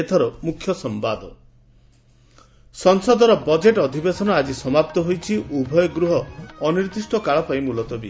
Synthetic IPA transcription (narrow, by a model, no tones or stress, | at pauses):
et̪ʰɔɾɔmukʰːjɔsɔmbad̪ɔ | sɔŋsɔd̪ɔɾɔbɔd͡ʒeʈɔd̪ʱibesɔnɔad͡ʒisɔmap̚t̪ɔɦojt͡ʃʰiubʱɔjɔɡɾuɦɔːniɾd̪isʈɔkaɭɔpajĩmulɔt̪ɔbi